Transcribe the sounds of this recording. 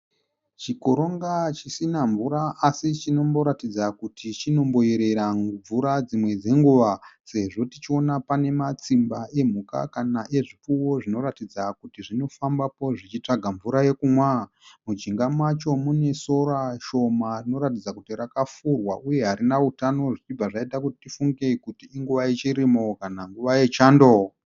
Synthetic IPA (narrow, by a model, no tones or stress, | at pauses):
t͡ʃiko̞ɾo̞ŋɡat͡ʃisinaɱvuɾaasit͡ʃino̞mbo̞ɾatid͡zakutʰit͡ʃino̞mbo̞iɾe̞ɾab͡vuɾad͡zimwe̞d͡ze̞ŋɡuʋase̞ʐo̞tit͡ʃio̞napane̞mat͡simbaʔe̞m̤uka̰kanaʔe̞ʐipuwo̞ʐino̞ɾatid͡zakutiʐino̞fambapo̞ʐit͡ʃit͡ʂaɡʱaɱvuɾaje̞kumwa | mud͡ʒiŋɡamwat͡ʃo̞mune̞so̞ɾaʃo̞marino̞ɾatid͡zakutirakafurwaʔuje̞ɦaɾinautano̞ʐit͡ʃib͡vaʐaitakuti̥tifuŋɡekutiːŋɡuʋait͡ʃiɾimokanaŋɡuʋaje̞t͡ʃaːndo